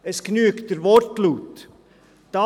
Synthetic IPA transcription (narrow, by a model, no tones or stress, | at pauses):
ɛsɡ̥nyːkd̥əɾvɔɾtluːt̪ | d̥ɑ